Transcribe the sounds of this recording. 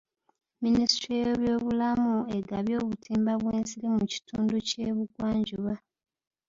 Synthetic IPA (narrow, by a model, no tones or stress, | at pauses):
ministɾieβjoːβulamue̞ɡaβjo̞ːβutʰiːmbaβweːnsiɾemuci̥tʰuːnduce̞ːβuɡwaːɲɟuβa